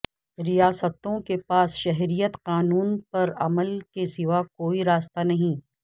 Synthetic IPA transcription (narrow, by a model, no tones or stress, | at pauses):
ɾijaːsət̪õkepaːsʃɛɦɾijət̪qaːnuːnpɐɾɐməlkesɪʋakoːiɾaːst̪anɐɦĩ